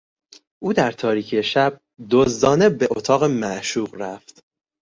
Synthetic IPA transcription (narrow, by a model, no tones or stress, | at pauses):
ʔuːd̪æɾt̪ʰɒːɾiːcʰeʃæb̥̚ | d̪ozd̪ɒːne̞beʔot̪ʰɒːɣemæʔʃuːɣɾæft̪